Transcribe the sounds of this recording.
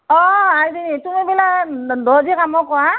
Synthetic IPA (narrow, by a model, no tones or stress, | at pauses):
ɔaidinitumibiladɔzikamɔkɔwa